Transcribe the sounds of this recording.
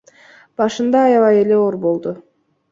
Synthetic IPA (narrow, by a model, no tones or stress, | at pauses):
b̥ɑʃɯnd̪ɑːjɑvɑjele̞o̞ɾbo̞lˠd̪ʊ